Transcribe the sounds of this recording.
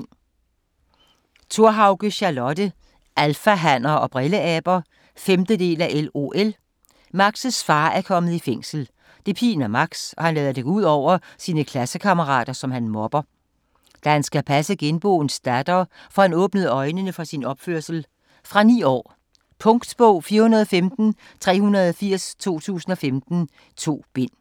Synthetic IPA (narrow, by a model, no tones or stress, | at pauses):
t͡sʰo̝ɐɦɑ̈ʊɡ̥əɕɑ̈lɒ̽d̥ə | ʔælfæɦæn̰ɐɒ̽b̥ʁeləɛːb̥ɐ | femd̥əd̥e̝̰ːlæʔelo̝̰ːʔel | mɑ̈ɡ̥səsfɑ̰̈ːæɐkʰɒ̽məð̞̩ˠifeŋ̰sl̩ | d̥e̝pʰḭːnæmɑ̈ɡ̥sɒ̽hænlɛːðˠɐd̥e̝ɡ̥uð̞̰ˠɒʊ̰ɐsiːnəkʰlæsəkʰɑ̈məʁɑ̰̈ːd̥ɐsɒ̽mhænmɒ̽b̥ɐ | d̥æhænsɡ̥æpʰæsəɡ̥enb̥ɔ̰̽ːnsd̥æd̥ɐː | fɒ̽hænɔ̽ːb̥nəð̩ˠɒ̽ɪnənəfʁɑ̈sinɒ̽b̥føɐsl̩ | fʁɑ̈nḭːɒ̰ː | pʰɔ̽ŋɡd̥b̥ɔʊ̰fiːɐhunɐðˠɒfemd̥n̩ | t͡sʰʁɛ̰ːhunɐðˠɒfiɐ̰st͡sʰo̝̰ːt͡sʰṵːsn̩ɒ̽femd̥n̩ | t͡sʰo̝̰ːb̥e̝n̰